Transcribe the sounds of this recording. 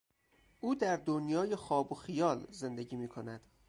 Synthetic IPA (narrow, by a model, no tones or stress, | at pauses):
ʔuːd̪æɾd̪onjɒːje̞xɒːboxijɒːlze̞nd̪e̞ɟiːmiːkʰo̞næd̪̥